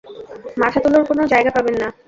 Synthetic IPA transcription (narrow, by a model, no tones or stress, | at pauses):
mat̪ʰat̪uloɾkonod͡ʑaeɡapabenːa